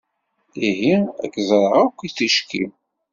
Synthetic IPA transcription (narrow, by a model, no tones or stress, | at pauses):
iɦiæ̰ɡzˤɾˤəʁakʷːiθiʃkḭm